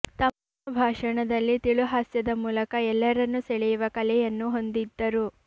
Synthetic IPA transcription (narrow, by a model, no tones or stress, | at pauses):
t̪ɐm | ɐbʱaːʂɐɳɐd̪ɐlːit̪iɭuɦaːsjɐd̪ɐmuːlɐkɐɛlːɐɾɐnːuseɭɛjuʋɐkɐlɛjɐnːuɦo̞nd̪id̪ːɐɾu